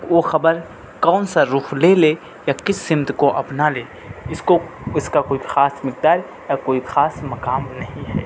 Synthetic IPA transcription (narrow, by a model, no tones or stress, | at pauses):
oːxɐbəɾ | kɔːnsaɾuːxʰleleː | jakɪsːɪmt̪koʔɐpnaleː | ɪskoɪskakoːixaːsmɪk̚d̪aːɾ | jakoːixaːsmɐkaːmnɐɦĩɦɛ̰ː